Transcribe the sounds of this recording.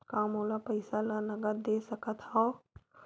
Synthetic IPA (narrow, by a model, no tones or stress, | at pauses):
kaːmɦoːlapəɪsalanɐɡəɾd̪eːsɐkət̪ʰhao